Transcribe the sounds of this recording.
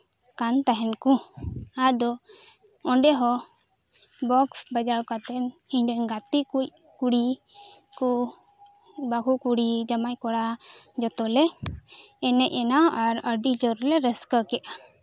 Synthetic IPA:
kant̪aɦɛnkuad̪ɔ | ɔɳɖɛɦɔ | bɔksbad͡ʒawkat̪ɛniɲɖɛnɡat̪ikuc | kuɽikɔ | baɡukuɽid͡ʒamajkɔɽad͡ʒɔt̪ɔlɛː | nɛʔɛnaʔaɾəɾɖid͡ʒɔɾlɛɾɛskəkɛʔa

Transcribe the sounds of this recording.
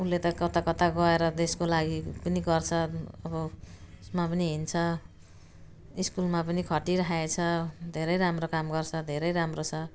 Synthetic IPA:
ulːet̪ʌkʌt̪akʌt̪aɡʌeɾʌd̪eskolaɡipʌniɡʌrt͡sʰʌʌbʌ | smapʌniɦint͡sʰʌ | iskulmapʌnikʰʌʈiɾʌaet͡sʰʌd̪ʱeɾʌjɾamrokamɡʌrt͡sʰʌd̪ʱeɾʌjɾamrot͡sʰʌ

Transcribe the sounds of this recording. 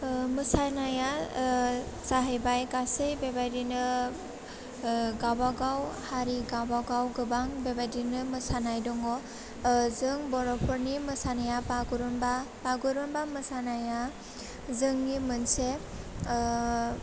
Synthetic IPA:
mɯsajnaja | saɦejbajɡasejbebajdinɯ | ɡawbaɡawhaɾiɡabawɡawɡɯbaŋbebajdinɯmɯsanajdɔŋɔ | zɯŋbɔɾɔpʰɔɾnimɯsanajapaɡuɾɔmbapaɡuɾɔmbamɯsanaja | zɯŋnimɯnse

